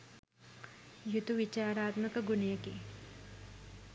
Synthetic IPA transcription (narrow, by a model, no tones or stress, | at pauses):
jut̪uʋit͡ɕaːɾaːt̪mɐkɐɡunjɐki